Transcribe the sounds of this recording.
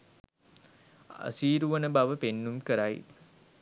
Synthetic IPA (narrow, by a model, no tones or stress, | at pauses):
a̰siːɾuʋənəbaʋəpenːumkəɾaj